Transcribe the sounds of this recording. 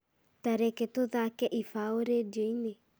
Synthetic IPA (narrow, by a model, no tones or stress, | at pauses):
taɾeketoðakɛʔifaoɾedoine